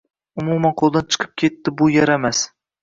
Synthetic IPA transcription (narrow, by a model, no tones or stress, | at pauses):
ʊmumanqʰolˠd̪ant͡ʃʰɨ̥qʰɨ̥p̚kʲʰe̞t̪ːɪbʊjaɾamas